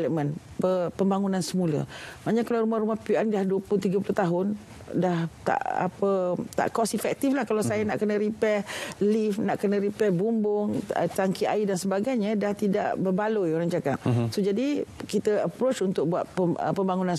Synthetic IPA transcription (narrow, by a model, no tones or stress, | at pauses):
ləmə̃n | pəpəmbaŋunansəmulə̰maɲakalaɾumahrumahpiandahduəput̪iɡəp̬ulʊht̪aɦʊn | daht̪a̰ʔa̰pət̪a̰ʔkɔsifɛk̚t̪iflahkalasajənaʔkənəɾipɛlifnaʔkənəɾipɛbumbʊŋə̰t̪aŋkia̰idansəbaɡajɲadaht̪ida̰ʔbərbalojoɾaŋd͡ʒaɡa̰t̚sod͡ʒadikit̪əəpɾot͡ʃunt̪ʊk̚bua̰t̪̚pəə̰pəmbaŋunãn